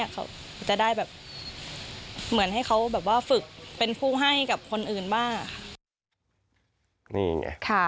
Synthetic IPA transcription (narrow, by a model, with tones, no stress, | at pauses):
ɐkʰa̰˦˥wʰ | t͡ɕa˨˩daː˥˩jbɛː˨˩p̚ | mɯ˩˦ənha˥˩jkʰa˦˥wbɛː˨˩p̬̚waː˥˩fɯ˨˩k̚pe˧npʰuː˥˩ɦa˥˩jka˨˩p̚kʰo˧nʔɯː˨˩nbaː˥˩ŋa˨˩kʰa˥˩ | nḭː˧˩ŋa̰˧kʰa˥˩